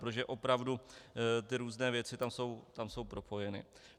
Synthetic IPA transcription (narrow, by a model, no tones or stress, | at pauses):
pɾot̪oʒɛʔo̞pɾavdut̪ɪɾuːznɛːvjɛt͡sɪt̪amso̞wt̪amso̞wpɾo̞pʰo̞jɛnɪ̰